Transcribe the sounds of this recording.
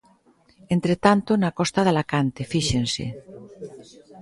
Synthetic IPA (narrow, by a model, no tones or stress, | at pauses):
ent̪ɾet̪ant̪onakɔst̪aðalakant̪efiʃensḛ